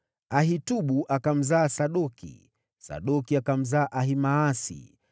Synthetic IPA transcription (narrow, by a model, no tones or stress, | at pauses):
aɦituɓuʔakam̩zaːsaɗɔkḭ | sa̰ɗɔkiakam̩zaːʔaɦimaːsḭ